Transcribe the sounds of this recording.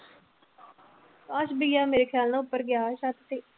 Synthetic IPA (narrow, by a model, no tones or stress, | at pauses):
aʃbijaːmeːɾeːkʰjaːlnãːʊpːəɾɡjaːʃat̪t̪eː